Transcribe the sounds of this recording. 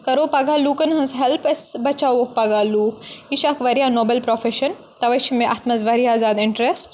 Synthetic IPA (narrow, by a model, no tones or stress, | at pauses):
kɐɾoːpɐɡaːluːkɐnɦɐ̃nzɦelpɐsbɐt͡ʃawok̚pɐɡaːluːkiʃakʋɐɾjaːnoːbelpɾofʰeʃɐn | t̪ɐʋɐʃimẽʔɐt̪mɐzʋɐɾijaːzaːd̪ɪɳʈɾesʈ